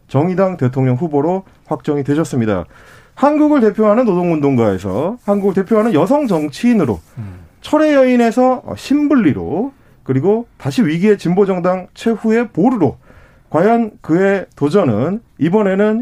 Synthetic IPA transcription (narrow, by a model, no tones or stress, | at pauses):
t͡ɕʌŋidaŋte̞tʰoŋɲʌŋɸuboɾo | ɸwak̚t͡ɕ͈ʌŋidwe̞ɕʰʌs͈ɯmɲida̰ | hanɡuɡɯɭte̞pʰjoɦanɯnːodoŋundoŋɡae̞̰sʰʌ̰hanɡuɡɯɭte̞pʰjoɦanɯnjʌsʰʌŋd͡ʑʌŋt͡ɕʰiːnɯɾo̰t͡ɕʰʌɾe̞jʌine̞sʰʌ̰ɕʰimbuɭːiɾo̰ | kɯɾiɡotaɕʰiɥiɡie̞t͡ɕimbod͡ʑʌŋdaŋt͡ɕʰwe̞ɸue̞poɾɯɾo | kwajʌnkɯe̞tod͡ʑʌnɯ̰n | ibʌne̞nɯn